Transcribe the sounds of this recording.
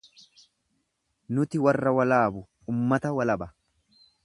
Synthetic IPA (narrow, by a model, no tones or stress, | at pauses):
nʊt̪ɪwɐrːɐwɐlaːbʊ | umːɐt̪ɐwɐlɐbɐ